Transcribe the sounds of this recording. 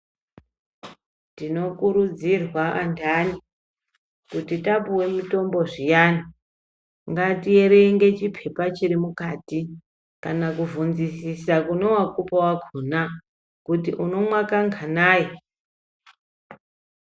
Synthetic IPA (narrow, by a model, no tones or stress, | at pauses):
tino̞kuɾud͡zirwaʔandani | kutitapuwe̞mito̞mbo̞ʐijani | ŋɡatie̞ɾe̞iŋɡe̞t͡ʃipʰe̞pat͡ʃiɾimukati | kanakuvunzisisakunowakupawaɡʰʱona | kutḭʔuno̞mwakaŋɡʱanaːje